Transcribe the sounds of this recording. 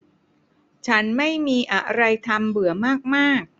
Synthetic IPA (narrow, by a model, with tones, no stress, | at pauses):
t͡ɕʰa˦˥nma˥˩jmiː˧ʔa˧˩ɾa˧jt̪ʰa˧mbɯ˩˦ɐmaː˥˩k̚maː˥˩k̚